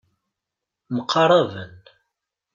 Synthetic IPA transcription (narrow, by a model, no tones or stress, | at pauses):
məqʰːɑɾˤɑvən